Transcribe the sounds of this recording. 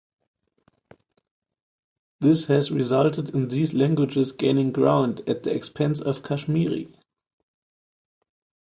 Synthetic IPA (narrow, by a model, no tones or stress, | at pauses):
ðɪshɛzɹizaltədɪ̃nðiːslæ̃ŋɡwɪd͡ʒɪzɡẽɪ̃nɪ̃ŋɡɹãʊ̃ndæt̪̚ðiɛkspʰɛ̃nsɔv̥kʰaʃmiɹḭ